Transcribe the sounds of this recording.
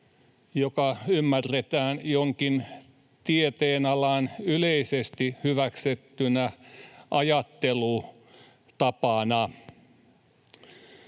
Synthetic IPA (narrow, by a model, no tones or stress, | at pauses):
jokɑymːærːet̪æːnjoŋkin | t̪iet̪eːnɑlɑnyleisest̪ihyʋækset̪ːynæʔɑjɑt̪ːelu | t̪ɑpɑnɑ